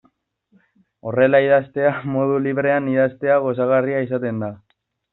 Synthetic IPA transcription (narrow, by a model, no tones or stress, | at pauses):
o̞re̞laið̞ast̪e̞amo̞ðuliβɾe̞aniðast̪e̞aɣo̞saɣ̞ariaisat̪e̞nd̪a